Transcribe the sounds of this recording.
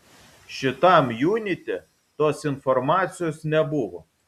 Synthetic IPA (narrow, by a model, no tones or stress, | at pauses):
ʃʲɪt̪ɐˑmjuːnʲɪt̪ʲe | t̪oːsɪnfɔɾmɑːt̪sʲɪjoːsnʲɛbʊʋo